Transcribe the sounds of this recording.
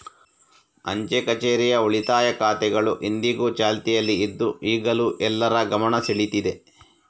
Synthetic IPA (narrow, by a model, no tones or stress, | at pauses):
ɐ̰ɲt͡ʃekɐt͡ʃeːɾijɐoɭit̪aːjɐkaːt̪ɛɡɐɭuʔind̪iɡuːt͡ʃaːlt̪ijɐlːiːd̪ːuiːɡɐluʔɛlːɐɾɐɡɐmɐɳɐsiɭit̪id̪e